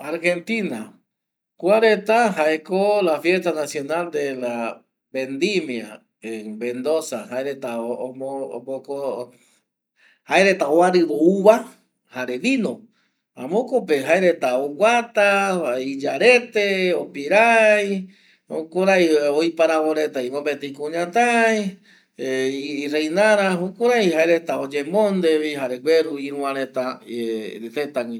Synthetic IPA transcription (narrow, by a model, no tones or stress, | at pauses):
aɾxe̞nt̪ina̰ | kʷaɾet̪aɦaekolafje̞st̪anasjo̞nald̪ela | bend̪imia̰ | ebẽnd̪osahaeɾet̪a | poko | haeɾet̪aoaɾɨɾouβa | haɾeʋino | ã̰mõkopeɦaeɾe̞t̪aoɡʷat̪aid͡ʒaɾet̪eopiɾaj | o̰koɾajojpaɾaβoɾet̪aimõpet̪eikũɲãt̪aj | rejnaɾaokoɾajɦaeɾet̪aod͡ʒemõnd̪eβihaɾeɡʷweɾuiɾũãɾet̪a | set̪aŋĩ